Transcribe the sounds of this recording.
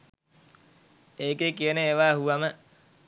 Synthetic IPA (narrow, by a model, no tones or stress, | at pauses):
eːkekijəneeːʋaːɦuʋamə